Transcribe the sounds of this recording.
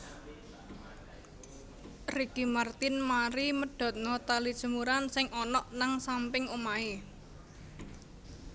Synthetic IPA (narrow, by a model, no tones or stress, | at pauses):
riɡ̥imart̪ɪnmaɾiməɖ̥ɔ̤t̪̚nɔt̪alid̥ʒ̥ə̤muɾansɪŋʔɔnɔʔnaŋsampɪŋumae